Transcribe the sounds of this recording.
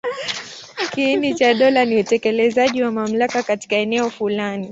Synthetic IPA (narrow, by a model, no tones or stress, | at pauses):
kiinit͡ʃaɗɔlaniutɛkɛlɛzaʄiwamam̩lakakati̥kaɛnɛɔfulani